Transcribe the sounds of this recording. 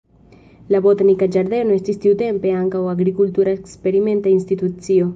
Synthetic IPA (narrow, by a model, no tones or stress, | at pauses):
laβot̪anikad͡ʒaɾðenoest̪ist̪iwt̪empeaŋkawaɡɾikult̪uɾaekspeɾimẽnt̪ainst̪it̪ut͡sio